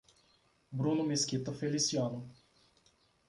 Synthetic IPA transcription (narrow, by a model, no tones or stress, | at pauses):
bɾũnʊmeskit̪ɐfelisiɐ̃nʊ